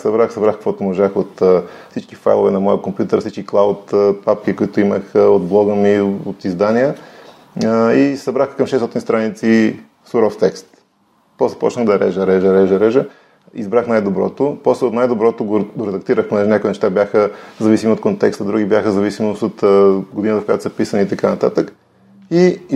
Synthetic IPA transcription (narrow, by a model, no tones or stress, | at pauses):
sɐbɾaxsɐbɾaxkəkvɔt̪ʊmoʒaxot̪ːfsit͡ʃkifa̰jlˠo̰vɛnɐmɔjəkompjut̪əɾfsit͡ʃkiklˠawt̪ːpapkikoit̪ʊiməxod̪blˠɔɡəmiot̪izd̪aniə | isɐbɾaxkɐmʃɛst̪ɔt̪inst̪ɾanit̪si | sʊɾɔft̪ɛkst̪ | pɔslɛ̥pɔ̰t͡ʃnəɣd̪ɐɾɛ̰ʒəɾɛʒəɾɛʒəɾɛʒə | izbɾaxnajd̪obɾɔ̰t̪opɔslɛot̪najd̪obɾɔt̪oɡoɡoɾɛd̪ɐk̚t̪iɾəxponɛʒɛnʲakʊinɛʃt̪abjaxəzɐvisimiot̪̚kont̪ɛkst̪əd̪ɾuɡʲibjaxəzɐvisimosot̪ɡod̪inət̪əfkojat̪o̥spisəniːt̪ɐkanɐt̪at̪ək | i